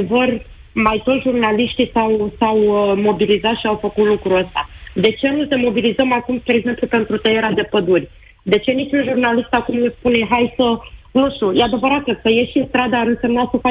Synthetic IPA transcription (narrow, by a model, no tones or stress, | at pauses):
evər | majt̪o̞ʒurnaliʃt̪isawsawmo̞bilizat̪ʃiawfəkut̪lukɾuəst̪a̰d̪e̞t͡ʃe̞nuse̞mo̞bilizəmakumsp̪ɾeɡze̞mplupe̞nt̪ɾut̪əjeɾad̪e̞pəd̪urʲ | d̪e̞t͡ʃe̞nit͡ʃunʒurnalist̪akumjespune̞ɦajsənuʃt̪ujead̪e̞vəɾat̪əkəjeʃiɨnst̪ɾad̪əːɾɨnse̞mnasəfa